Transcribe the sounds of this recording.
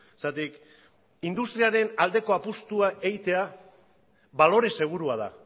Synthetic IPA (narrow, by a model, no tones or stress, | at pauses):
est̪at̪ik | ind̪ust̪ɾiaɾe̞nald̪e̞ko̞apust̪uae̞ɣit̪e̞a | βalo̞ɾe̞seɣ̞uɾuað̞a̰